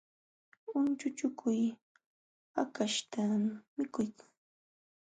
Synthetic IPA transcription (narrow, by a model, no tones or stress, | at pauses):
ʊnt͡ʃʊt͡ʃʊkʰʊj | hakaʃt̪amɪkʊjkḁŋ